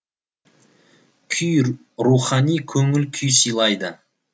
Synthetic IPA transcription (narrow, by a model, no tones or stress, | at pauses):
kʲʰʏj | ɾuχɑnijkʲʰɵŋɪlkʲʰʏjsijlˠɑjd̪ə